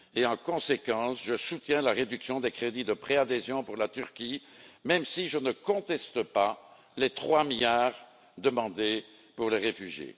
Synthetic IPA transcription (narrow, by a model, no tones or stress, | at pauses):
eɑ̃kɔ̃sekɑ̃sʒəsut̪jɛ̃laʁed̪yksjɔ̃d̪ekχed̪id̪əpχead̪ezjɔ̃puʁlat̪yʁkʲi | mɛmsiʒənəkɔ̃t̪ɛst̪əpa | let̪χwamijaːʁ | d̪əmɑ̃d̪e | puʁleʁefyʒjḛ